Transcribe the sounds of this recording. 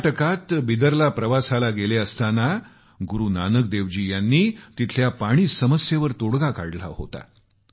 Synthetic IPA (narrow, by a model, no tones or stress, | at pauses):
ʈəkat̪bid̪əɾlapɾəʋasalaɡeleəst̪ana | ɡuɾuːnanək̚d̪eʋd͡ʑiːjanːiːt̪it̪ʰljapaɽ̃iːsəməsjeʋəɾt̪oɽɡakaɽla̰ɦo̰t̪a̰